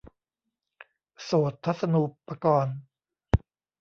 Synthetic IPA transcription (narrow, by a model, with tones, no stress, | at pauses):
soː˨˩t̪ʰːa˦˥t̪̚sa˧nu˨˩pːa˧kɔː˧n